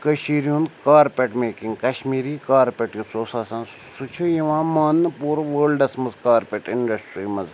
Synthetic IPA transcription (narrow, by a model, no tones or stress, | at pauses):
kɐʃiːɾjũnd̪kaːɾpeʈmeːkĩŋɡkɐʃmiːɾiːkaːɾpʲeʈjũsoːsaːsãːn | sut͡ʃʰujiʋãːmaːnːɨpuːɾʋəːlɖɐsmɐzkaːɾpeʈɪɳɖɐsʈɾiːmɐz